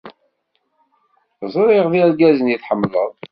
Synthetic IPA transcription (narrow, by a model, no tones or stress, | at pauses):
zˤɾˤiʁðiɾɡæzənjiθħəmːləðˤ